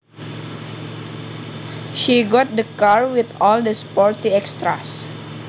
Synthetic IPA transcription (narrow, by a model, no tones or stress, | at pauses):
ʃiɡɔt̪̚dəkaɹwit̪ɔldəspɔɹt̪iɛkst̪ɾa̰s